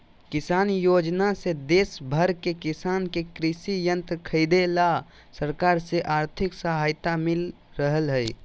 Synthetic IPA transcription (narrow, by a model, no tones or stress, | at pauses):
kɪsaːnjoːd͡ʒnased̪eːsbʱəɾkekɪsaːnkekɾɪʃijə̃nt̪ɾkʰəɪd̪ela | səɾkaːɾseʔaːɾt̪ʰɪksəɦaɪt̪amɪl | ɾəɦəlɦəj